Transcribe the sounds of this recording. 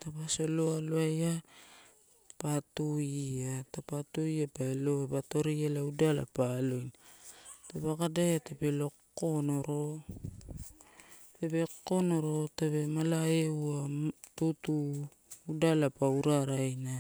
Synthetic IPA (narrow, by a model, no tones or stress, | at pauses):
tapasoloaloaja | patuiatapatujapaeloebato̞ɾialaudala̰palojn | tabakadajatapelo̞ko̞no̞ɾo | tabe̞ko̞noɾo̞taβe̞malaeuatutuː | dalapauɾaɾajna